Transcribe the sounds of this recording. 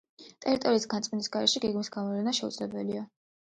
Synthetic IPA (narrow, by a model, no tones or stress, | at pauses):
t̪ʼɛɾit̪ʼɔɾiːsɡansʼminisɡaɾɛʃɛɡɛɡmisɡamɔlɛnaʃɛud̪z̥lɛbɛlia